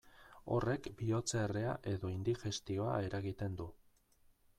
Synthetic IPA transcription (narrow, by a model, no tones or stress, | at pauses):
o̞re̞kbio̞t͡seːre̞aʔe̞ðo̞ind̪ixe̞st̪io̞a̰e̞ɾaɣit̪e̞nd̪u